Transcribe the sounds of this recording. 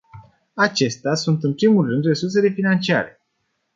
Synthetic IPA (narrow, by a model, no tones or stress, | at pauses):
at͡ʃe̞st̪easunt̪ɨnpɾimulrɨnd̪re̞surse̞le̞finant͡ʃia̰ɾe̞̰